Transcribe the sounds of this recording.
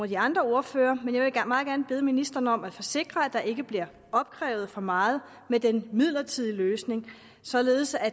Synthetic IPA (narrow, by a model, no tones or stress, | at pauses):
ɐd̥iɑ̈nd̥ʁɐo̝ɐføːɐmenjɑ̈ʋe̝ɡ̥mɑ̈ːð̩ˠɡæɐnəb̥e̝ð̞̩ˠminisd̥ɐnəɒ̽mæ̥fɒ̽se̝ɡ̥ʁɐæd̥ɑ̈ʔe̝ɡ̥əb̥liɐ | ɒ̽b̥̚kʰʁɛːʊð̞̩ˠfɒ̽mɑ̈ːð̞̩ˠ | med̥enmið̰ˠlɐt͡sʰið̰ˠiløːsne̝ŋ | sɒ̽le̝ːð̩ˠsæ